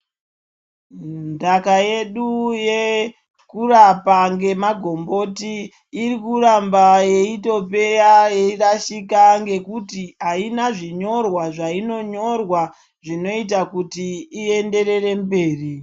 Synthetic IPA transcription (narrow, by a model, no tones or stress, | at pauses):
ndakaje̞ɗuje̞ | kurapaŋɡe̞maɡʱo̞mbo̞tiː | ɾikurambaje̞ito̞pe̞jajeiraʃikaŋɡe̞kutiainaʐiɲo̞rwaʐaino̞ɲo̞rwa | ʐino̞itakutiːe̞nde̞ɾe̞re̞mbe̞ːri